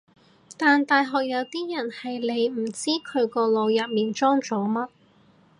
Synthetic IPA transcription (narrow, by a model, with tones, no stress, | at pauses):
t̪aː˨nt̪aː˨jɦɔː˨k̚jɐ˨˧wt̪iː˥jɐ˨˩nhɐ˨jle˨˧jm̩˨˩t͡siː˥kʰɵ˨˧ɥkɔː˧lo˨˧wjɐ˨t̚miː˨nt͡ʃɔː˥ŋt͡so˨˧wmɐ˥t̚